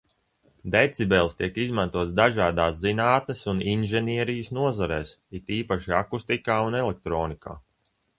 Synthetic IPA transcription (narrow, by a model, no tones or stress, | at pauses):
d̪et̪sibɛlˠst̪iɛkizmant̪uɔt̪sd̪aʒaːd̪aːszinaːt̪̚nɛsuninʒɛniɛɾijəsnuɔzaɾɛːsit̪iːpaʃiakust̪ikaːunɛlɛk̚t̪ɾoːnika̰ː